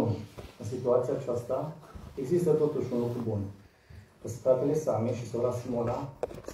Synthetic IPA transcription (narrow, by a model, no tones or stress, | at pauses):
niɨnsit̪uat̪sijat͡ʃast̪aeɡzist̪ət̪ot̪uʃunlukɾubun | pəst̪ɾat̪elesameʃisowɾasmolas